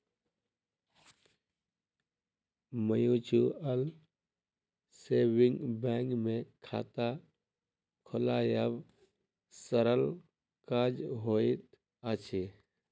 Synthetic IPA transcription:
məjut͡ʃuəl | seːʋɪ̃ŋɡbɛːŋɡmẽkʰa̰ːt̪a | kʰʊlajəb | səɾəl | kad͡ʒɦoːit̪ | at͡ʃʰi

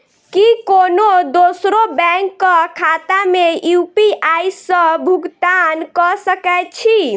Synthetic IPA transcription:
kikonod̪osɾobɛŋkːəkʰat̪amejupiʔajsə̃bʱuɡt̪ankɔsəkɛt͡ʃʰi

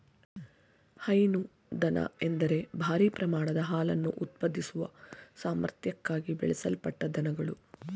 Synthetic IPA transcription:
hɐjnu | d̪ɐnʔɐ̰e̞nd̪ɐɾe̞bʱaːɾiːpɾɐmaːɳɐd̪ɐɦaːlɐnːuʔut̪̚pɐd̪ʱːisuʋɐ̰saːmɐ̰ɾt̪jɐkːaːɡibɛ̰ɭɛsɐlpɐʈːɐd̪ɐnɐɡɐɭu

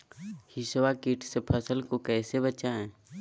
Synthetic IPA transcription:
hɪʃwakiʈʰsepʰəsəlkokɛːsebət͡ʃaɦɛ̃ː

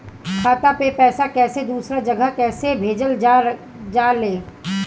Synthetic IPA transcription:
kʰaːt̪apepɛːsakɛːsed̪uːsɾad͡ʒɐɡəɦkɛːsebʱeːd͡ʒəld͡ʒ | d͡ʒaːɾleː

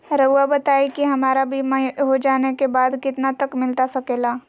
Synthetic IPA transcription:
ɾɐuabɐt̪aːikiɦɐmaːɾabʱimãɦod͡ʒaːnekebaːd̪kɪt̪nat̪ɐkmɪlt̪asɐkeːlaː

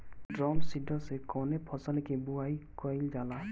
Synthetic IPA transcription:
dɾɔmsidʱɔsekɔnɛpʰɔsanɛkebuajkɔjld͡ʒala

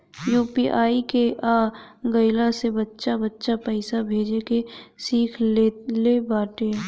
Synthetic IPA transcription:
juːpiʔaːikeʔaːɡəɪlasebətːʃabətːʃapɛːsabʱeːd͡ʒekesiːkʰelebaːʈeː

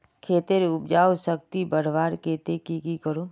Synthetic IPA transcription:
kʰeːt̪eɾʊp̚d͡ʒaːwsək̚t̪ibəɾ̤ʋaːɾkeːt̪ekikikəɾoː

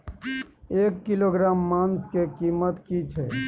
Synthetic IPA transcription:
ekːiloɡɾamːanskekimət̪kit͡ʃʰɛ

